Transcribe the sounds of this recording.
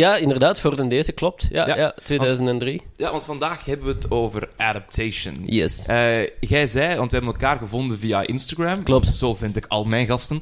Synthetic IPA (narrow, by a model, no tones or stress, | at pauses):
jaːɪndərdaːtfoːrdəndeːzəklɔp̚tja̰ːjja̰tʋeːdœːzəntɛndrijaʋɑntfɑndaːxɦɛbəʋəətoːvərʔadap̚tʰeːʃə̰njɛ̰səɣɛjzɛjʋɑntʋəɦɛbənɛlˠkaːrɣəvɔndənvijaʔɪnstaɡɹɛmklɔp̚tz̥oːvɪntɪkɑ̰lˠmɛjnɣɑstən